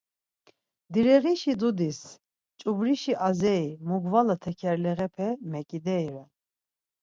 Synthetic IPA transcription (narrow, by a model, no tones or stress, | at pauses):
d̪iɾɛɣiʃid̪ud̪is | t͡ʃʼubɾiʃiʔazɛimuɡvalat̪ʰɛkʰɛɾlɛɣɛpʰɛmɛkʼid̪ɛiɾɛ